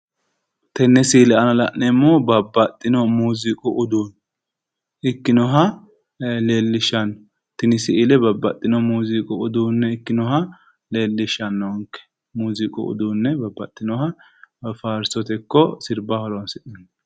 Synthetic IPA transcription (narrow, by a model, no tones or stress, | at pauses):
t̪ɛnːɛsiːlɛɐnɐlɐ̰ʔnɛmːoːbɐbːɐt̪ʼːɪnɔmuːzɪkʼʊʔʊd̪uːn | ɪkːɪnɔɦɐ | leːlːɪʃɐnːɔ | t̪ɪnɪsɪʔɪlɛbɐbːɐt̪ʼːɪnɔmuːzɪkʼʊʊd̪uːnːɛɪkːɪnɔɦɐ | le̞ːlːɪʃɐnːɔŋkːɛ̥ | muːzɪkʼʊ̰ʊ̰d̪uːnːɛbɐbːɐ̰t̪ʼːɪnɔhɐ | faːɾsɔt̪ɛkːɔsɪɾbahɔlɔnsɛʔɐn